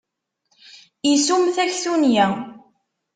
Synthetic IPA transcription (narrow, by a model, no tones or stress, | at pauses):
isumθæçθunjæ